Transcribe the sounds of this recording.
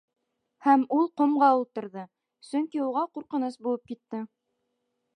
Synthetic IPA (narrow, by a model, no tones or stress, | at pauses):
hæmulˠqŏmʁɑulˠt̪ɤ̆ɾðɤ | sɵŋkiuʁɑquɾqɤ̆nɤsbulˠɤp̚kit̪ːɘ